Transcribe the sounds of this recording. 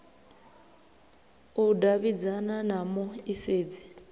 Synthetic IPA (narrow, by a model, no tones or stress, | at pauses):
udaβid͡zananamɔiseːd͡zi̥